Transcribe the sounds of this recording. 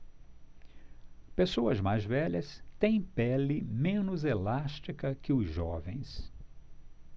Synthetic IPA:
pesoɐzmajzvɛʎɐst̪ẽj̃pɛlɪmẽnʊzelaʃt͡ʃikɐkɪʊzʒɔvẽj̃s

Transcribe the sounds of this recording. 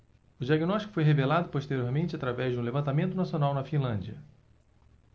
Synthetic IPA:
ʊd͡ʒiaɡinɔʃt͡ʃikʊfojɦevelad̪ʊpoʃt̪eɾioɾmẽnt͡ʃɪat̪ɾavɛzd͡ʒɪũlevɐ̃nt̪amẽnt̪ʊnasionawnɐfĩlɐ̃d͡ʒiɐ

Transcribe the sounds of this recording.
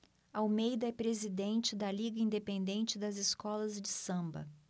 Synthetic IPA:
awmejd̪ɐɛpɾezid̪ẽnt͡ʃɪd̪ɐliɡɐĩnd̪epẽnd̪ẽnt͡ʃɪd̪ɐzɪskɔlɐzd͡ʒɪsɐ̃mbɐ̰

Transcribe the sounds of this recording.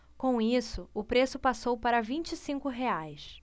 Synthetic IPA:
kõw̃isʊʊpɾesʊpasowpaɾɐvĩt͡ʃisĩŋkʊɦeajs

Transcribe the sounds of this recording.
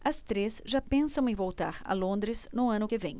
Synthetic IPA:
ɐst̪ɾesʒapẽsɐ̃w̃ẽvowt̪aɾɐ̰lõnd̪ɾɪsnʊɐ̃nʊkɪvẽj̃

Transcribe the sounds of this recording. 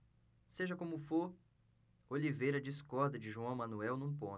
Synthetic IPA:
seʒɐkõmʊfoɾ | olivejɾɐd͡ʒɪskɔɾd̪ɐd͡ʒɪʒuɐ̃w̃mɐ̃nuɛwnũpõ

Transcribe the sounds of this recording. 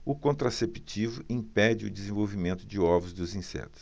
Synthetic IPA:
ʊkõnt̪ɾasepi̥t͡ʃivʊʔĩpɛd͡ʒɪʊd͡ʒɪzẽvowvimẽnt̪ʊd͡ʒɪɔvʊzd̪ʊzĩsɛ̰t̪ʊ̥s

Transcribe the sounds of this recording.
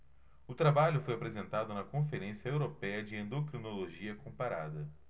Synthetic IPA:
ʊt̪ɾabaʎʊfojapɾezẽnt̪ad̪ʊnɐkõfeɾẽsiɐewɾopɛjɐd͡ʒɪẽnd̪okɾinoloʒiɐkõpaɾa̰d̪ɐ

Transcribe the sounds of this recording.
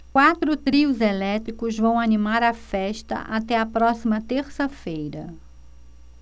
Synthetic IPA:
kwat̪ɾʊt̪ɾiʊzelɛt̪ɾikʊzvɐ̃w̃animaɾɐfɛʃt̪ɐ̰ʔat̪ɛɐpɾɔsimɐt̪eɾsɐfejɾɐ

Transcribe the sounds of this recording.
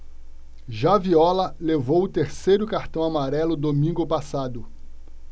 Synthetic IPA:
ʒaviɔlɐlevowʊt̪eɾsejɾʊkaɾt̪ɐ̃w̃amaɾɛlʊd̪omĩŋɡʊpasad̪ʊ

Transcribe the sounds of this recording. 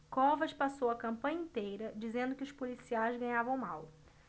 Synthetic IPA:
kõvɐʃpasowɐkɐ̃mpɐ̃ɲɐĩnt̪ejɾɐd͡ʒizẽnd̪ʊkɪʊʃpolisiajzɡɐ̃ɲavɐ̃w̃maw

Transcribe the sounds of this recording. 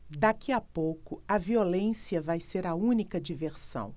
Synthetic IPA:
d̪akiapowkʊɐviolẽsiɐvajseɾɐũnikɐd͡ʒiveɾsɐ̰̃w̃

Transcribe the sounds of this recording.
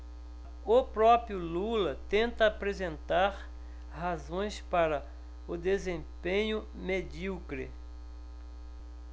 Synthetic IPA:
ʊpɾɔpɾjʊlulɐt̪ẽnt̪ɐːpɾezẽnt̪aɾ | hazõj̃spaɾɐ | ʊd̪ezẽmpẽɲʊ | med͡ʒiwkɾɪ̰

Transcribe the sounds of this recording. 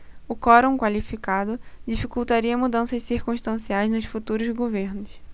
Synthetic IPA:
ʊkɔɾõkwalifikad̪ʊd͡ʒifikuwt̪aɾiɐmud̪ɐ̃sɐʃsiɾkũʃt̪ɐ̃siajznʊʃfut̪uɾʊzɡoveɾnʊs

